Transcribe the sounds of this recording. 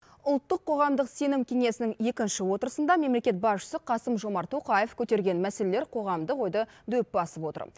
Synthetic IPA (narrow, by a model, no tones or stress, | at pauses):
ʊlˠt̪ːəqʰːo̞ʁɑmd̪əqse̞nɪmkʲʰe̞ŋe̞sɪnɪŋe̞kʲɪnʃɪwo̞t̪əɾəsənd̪ɑme̞mle̞kʲe̞t̪̚bɑsʃə̥səqʰɑsəmʒo̞mɑɾt̪ʰo̞qɑjefkʲʰɵt̪e̞ɾɡʲe̞nmæse̞lele̞ɾqʰo̞ʁɑmd̪əqo̞jd̪əd̪ɵpbɑsəpwo̞t̪ə̰ɾ